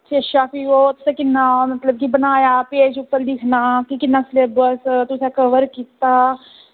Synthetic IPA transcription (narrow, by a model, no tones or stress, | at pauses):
t͡ʃeʃaːfiʋɔːt̪sekɪnːamɐt̪ləb̚kibɐnaːjapeːd͡ʒupːəɾlɪkʰnakikɪnaslebəst̪ʊsakɐʋəɾkiːt̪aː